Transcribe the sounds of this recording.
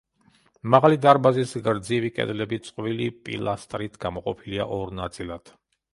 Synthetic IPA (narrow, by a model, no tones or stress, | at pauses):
maʁalid̪aɾbazisɡɾd̪zivikʼɛ̰d̪lɛbit̪sʼqʼvilipʼḭlˠast̪ʼɾit̪ʰɡ̥amɔqʼɔpʰiliaʔɔɾnat̪sʼilˠad̪̥